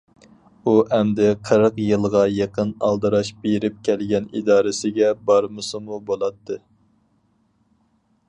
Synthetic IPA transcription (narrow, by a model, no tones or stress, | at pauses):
uɛmd̪ɪqʰəɾəqjɨlˠʁɑjeqʰənɑ̰lˠd̪ɨɾɑʃbeɾɪp̚kʲʰɛlɡʲɛnḭd̪ɑːɾɪsɪɡʲɛbɑɾmɨsɨmubolˠɑt̪ːɨ